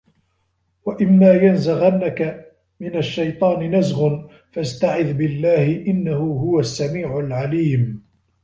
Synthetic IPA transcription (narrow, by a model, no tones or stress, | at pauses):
waʔɪmːaːjanzaɣanːaka | mɪnaʃːajt̪ˤɑːnɪnazɣʊn | fast̪aʕɪðbɪlːaːhɪʔɪnːahʊːɦʊwasːamiːʕʊlʕaliːm